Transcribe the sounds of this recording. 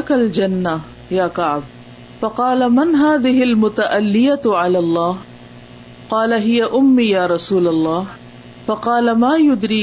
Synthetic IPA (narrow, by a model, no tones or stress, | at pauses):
kald͡ʒanːa | jaːkaʕb̚ | fɑqɑːlamanɦaːðɪhɪlmʊt̪aʔalːɪjaʕalaːlˤːɑːh | qɑːlaɦɪjaʔʊmːijaːɾˤɑsuːlalˤːɑːh | fɑqɑːlamaːjʊd̪ɾiː